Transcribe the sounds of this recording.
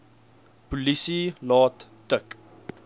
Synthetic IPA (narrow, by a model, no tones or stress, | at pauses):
pulisilɑːtː | ək